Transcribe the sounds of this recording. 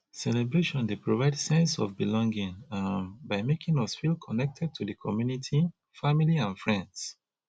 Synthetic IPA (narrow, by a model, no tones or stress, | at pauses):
sɛlɛbɹeʃɔ̃ndepɹovaɪdsɛ̃nsɔ̰vbilɔ̃ŋɡĩŋãnbaɪmekĩŋɔsfilkʰɔnɛk̚tʰɛd̚tʰudəkʰɔmjunitʰi | familiãnfɹɛ̃nds